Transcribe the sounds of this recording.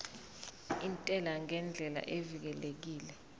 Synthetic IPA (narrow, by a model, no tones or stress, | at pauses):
intʼɛlaŋɛnd͡ɮʱɛla̰ʔevik̬ɛlek̬iːlɛ